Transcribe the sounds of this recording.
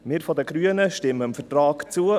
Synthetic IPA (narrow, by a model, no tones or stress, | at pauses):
mɪːɾfɔd̪əɡɾyənəʃtɪmːəmfətɾɑːɡt͡suə